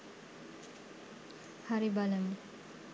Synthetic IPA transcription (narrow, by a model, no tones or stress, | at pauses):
haɾibaləm